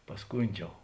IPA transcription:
pɐsˈkʊnʲd͡ʒʲɛʊ

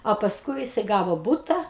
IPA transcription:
oː pɐsˈkʊɪ jɪˈsɐɪ ˈɡɑːʋoː ˈbuːtɐ

